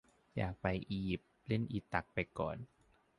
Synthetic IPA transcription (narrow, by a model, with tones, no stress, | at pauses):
ja̰ː˨˩k̚pa˧jʔiː˧ji˨˩p̪̚le˥˩nʔi˨˧˩t̪ːa˨˩k̚pa˧jkɔ̰ː˨˩n